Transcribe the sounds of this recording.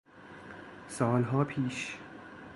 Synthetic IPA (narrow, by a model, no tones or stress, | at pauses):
sɒːlɦɒːpʰiːʃ